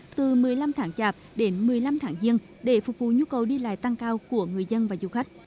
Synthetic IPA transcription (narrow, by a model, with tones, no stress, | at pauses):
t̪ɨ˨˩mɨ˨˩əjla˧mt̪ʰaː˨˦ŋt͡ɕaː˨˩p̚ɗe˨˦nmɨ˨˩əjla˧mt̪ʰaː˨˦ŋzi˧ən | ɗe˧˩fʊ˨˩k͡p̚vṵ˧˨ɲu˧kə˨˩wɗi˧la̰ː˧˨jt̪a˧ŋkaː˧wku˧˩əŋɨ˨˩əjzə˧nvaː˨˩zu˨˩xa˦˥k̟̚